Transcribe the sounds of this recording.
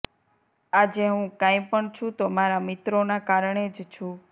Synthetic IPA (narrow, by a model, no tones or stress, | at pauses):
ad͡ʒeɦũkãĩpəɳt͡ʃʰũt̪omaɾamɪt̪ɾonakaɾɳed͡ʒt͡ʃʰũ